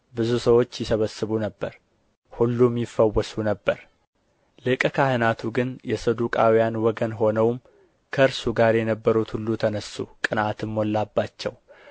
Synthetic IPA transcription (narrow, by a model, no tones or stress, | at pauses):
bɨzusəwo̞t͡ʃːjɪsəβəsːɨβunəbːəɾ | hulːumjifːəwːəsunəbːəɾ | lɨkʼkʰahɨnat̪ʰuɡɨnjɛsəd̪ukʼawijanwɔɡənɦo̞nəwm | kʰəɨɾsuɡaɾjɛnəbːəɾut̪hulːut̪ʰənəsːṵkʼɨnat̪ɨmːolːabːat͡ʃːɛw